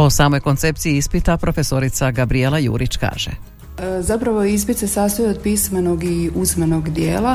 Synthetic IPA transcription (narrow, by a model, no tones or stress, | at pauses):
o̞saːmo̞jko̞nt̪se̞pt̪siiispit̪apɾofe̞so̞ɾit̪saɡabɾielˠajṵːɾʔit͡ɕka̰ːʒ̥ḛ | zapɾaʋois̬pit̪sesaːst̪ojeod̪̚pismanoɡiuzmanoɡd̪jḛːlˠa